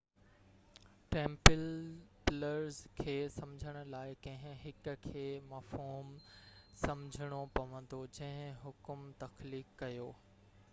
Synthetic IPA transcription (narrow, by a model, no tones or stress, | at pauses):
ʈɛ̃ːmpɪlpɪləɾzkʰeːsɐmd͡ʑʱəɽ̃ʊ̆laːɪkɐ̃ɦɪ̃ɦɪkʊkʰeːmaːfɦuːmsɐmd͡ʑʱəɽ̃opɐʋə̃nd̪od͡ʑɐ̃ɦɪ̃ɦʊkʊmt̪ɐxliːkːɐjoː